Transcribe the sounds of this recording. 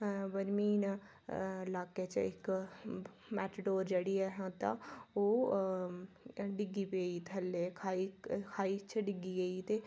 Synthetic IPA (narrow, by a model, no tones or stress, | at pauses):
bəɾmiːn | laːket͡ʃɪ̰k | mɛːʈɖoːɾd͡ʒəɽiːɛɦãt̪ã̰oː | ɖɪɡipeːit̪ʰəlːeːkʰaːikʰaːit͡ʃɖɪɡiːɡəit̪eː